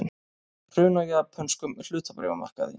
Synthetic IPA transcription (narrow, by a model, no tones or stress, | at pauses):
n | r̥ʏːnajapʰœnskʏmɪl̥ʏːt̪apɾḛvama̰r̥ka̰ðɪ̰